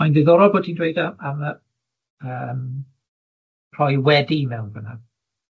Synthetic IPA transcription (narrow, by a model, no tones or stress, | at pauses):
ajndɪðɔɾɔlˠboːdtʰiːndwejdaamə | əːm | pʰrɔjwɛdimɛwnbəna̰